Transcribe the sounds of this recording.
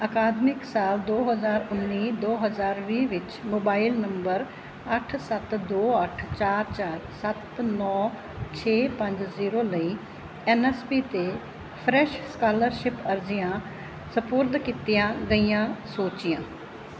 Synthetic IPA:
əkaːd̪mɪksaːld̪oːɦəzaːɾʊnːiːd̪oːɦəzaːɾʋiːʋɪt͡ʃmoːbaːɪlnəmbəɾ | əʈʰsət̪d̪oːəʈʰt͡ʃaːɾt͡ʃaːɾsət̪nɔː | t͡ʃʰeːpə̃ɲd͡ʒziːɾoːləiː | ɛːnɛːspiːt̪eː | pʰɾɛːʃskaːləɾʃɪpəɾd͡ʒɪjãː | səpʊɾd̪kiːt̪ijãːɡəijãːsoːt͡ʃɪjãː

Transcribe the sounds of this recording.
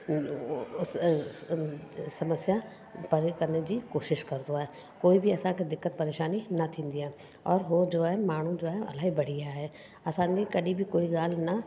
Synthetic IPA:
ʊs | sɐməsja | pɐɾkɐɾned͡ʑiːkoːʃɪʃkɐɾd̪oaːɦe | koːibɪɐsãkʰeːd̪ɪkːət̪̚pɐɾeːʃaːninɐt̪ʰĩːnd̪iɦaːɪ | ɔːɾɦod͡ʑoːaːɦemaːɳ̤ũd͡ʑoːaːɦeɐ̰laːɦibɐɽ̤iaːɦeː | ɐsãːikɐɗibɪkoːiɠaːl̤nɐ

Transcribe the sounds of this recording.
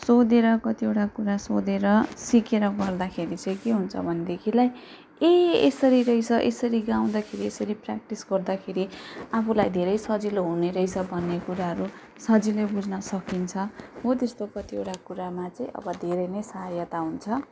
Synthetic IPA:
sod̪eɾʌkʌt̪iewʈakuɾasod̪eɾʌsikeɾʌɡʌrd̪akʰeɾit͡sʌ̃j̃keɦunt͡sʰʌbʱʌned̪ekʰilaj | eesʌɾiɾʌjt͡sʰʌʔesʌɾiɡaw̃d̪akʰeɾiesʌɾiprak̚ʈisɡʌrd̪akʰeɾiapʰulajd̪ʱeɾʌjsʌd͡ziloɦuneɾʌit͡sʰʌbʱʌnːekuɾaɦʌɾu | sʌd͡zilebud͡zʱnʌsʌkint͡sʰʌɦot̪est̪okʌt̪iewʈakuɾamat͡sʌĩʔʌ̰bʌd̪ʱeɾʌjnʌjsʌɦajʌt̪aɦunt͡sʰʌ

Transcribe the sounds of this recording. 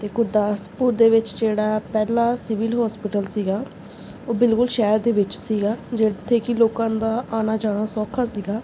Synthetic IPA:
t̪eːkʊɾd̪aːspuːɾd̪eːʋɪt͡ʃd͡ʒeːɽaːpɛːlaːsɪʋɪlɦɔːspɪʈəlsiːɡaː | oːbɪlkʊlʃɛːɾd̪eːʋɪt͡ʃsiːɡaːd͡ʒeːt̪ʰːeːkɪloːkãːnd̪aːʔaːnaːd͡ʒaːɽ̃aːsɔːkʰaːsiːɡaː

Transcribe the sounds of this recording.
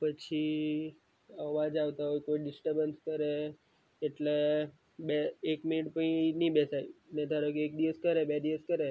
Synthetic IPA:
pət͡ʃʰi | əʋad͡ʒaʋt̪aɦojkoiɖɪsʈəɾbənskəɾeː | ʈle | beːkminiʈpəinibɛsajned̪ʱaɾokiekd̪iʋəskəɾebed̪iʋəskəɾe

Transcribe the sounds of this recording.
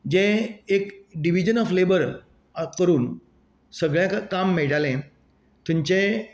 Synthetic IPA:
d͡ʑẽekɖiʋid͡ʑənɔflebəɾ | kəɾuːn | səɡɭjãkamːeɭʈalẽ | t̪ũɲt͡ɕẽ

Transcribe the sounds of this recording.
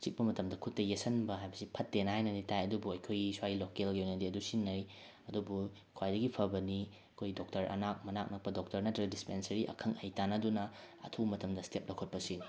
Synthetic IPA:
t͡ʃik̚pɐmɐtɐmdɐkʰutːɐjesɐnbɐɦajbɐsipʰɐtːenɐhajnɐnitajɐdubuɐjkʰojɡiswajilokelɡeojnɐdiɐdusinːɐɾi | ɐdubu | kʰwajdɐɡipʰɐbɐni | ɐkʰojdok̚tɐɾʔɐ̰nak̚mɐnak̚nɐk̚pɐdok̚tɐɾnɐtɾɐɡɐdispensɐɾiʔɐ̰kʰɐŋɐjtanɐdunɐ | ɐ̰tʰumɐtɐmdɐstep̚lɐkʰot̚pɐsi

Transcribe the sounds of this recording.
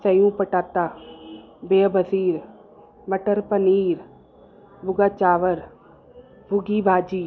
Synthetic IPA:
sɐjũːpəʈaːt̪aː | beːbʱəsiːɾ | məʈəɾpəniːɾ | bʱʊɡaːt͡ʃaːʋəɾ | bʱuɡiːbʱaːd͡ʒiː

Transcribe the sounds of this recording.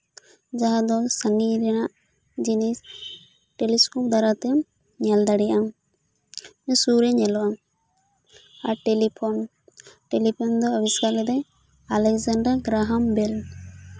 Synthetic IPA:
d͡ʒaɦad̪ɔsaniɾinaʔ | d͡ʒinis | ʈeliskɔp̚d̪aɾat̪ɛ | ɲald̪aɽijaam | mɛsuɾɛɲɛlwam | aʈelipʰɔn | ʈelipʰɔnd̪ɔːbiskalɛd̪ɛ | alɛkzaɳɖaɡɾaɦambɛl

